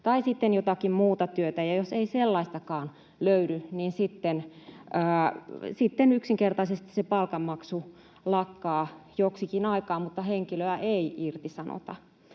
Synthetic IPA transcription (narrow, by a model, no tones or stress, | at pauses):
t̪ɑisit̪ːenjot̪ɑkimmuːt̪ɑt̪yøt̪æjɑjoseiselːɑist̪ɑkɑːn | løyɾyniːnsit̪ːenəːsit̪ːenyksiŋkert̪ɑisest̪i̥sepɑlkɑmmɑksu | lɑkːɑːjoksikinɑikɑːmmut̪ːɑheŋkiløæʔeiirt̪isɑno̰t̪ɑ̰